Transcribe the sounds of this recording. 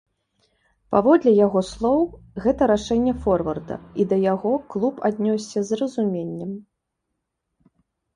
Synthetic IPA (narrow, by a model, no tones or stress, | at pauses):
pavɔd̪lʲɛjaɣɔslˠɔwɣɛt̪ɐɾaʂɛnʲːɛfɔrvɐrd̪ɐ̰id̪ɐjaɣɔklˠupad̪ʲnʲɔsʲːɐzrɐzumʲenʲːɛm